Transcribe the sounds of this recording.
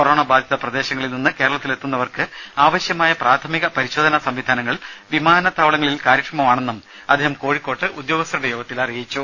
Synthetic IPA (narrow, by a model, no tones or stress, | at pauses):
koɾo̞ːɳɐbaːd̪ʱjɐðɐprɐd̪e̞ːɕɐŋːɐɭilninːɨke̞ːɾɐɭɐt̪ːile̞t̪ːunːɐʋɐrkɨaːʋɐɕjɐmaːjɐpraːt̪ʰɐmiɣɐpɐɾiɕo̞ːd̪ɐnɐsɐmʋid̪ʱaːnɐŋːɐɭʋimaːnɐt̪ːaːʋɐɭɐŋːɐɭilkaːɾɐkrɐmɐmaːɳe̞nːum | ɐd̪ʱiːɦɐmko̞ːɻikːo̞ːʈːɨʔud̪jo̞ːɡɐst̪ɐɾuɽejuːɡɐt̪ːilɐrijit͡ɕːu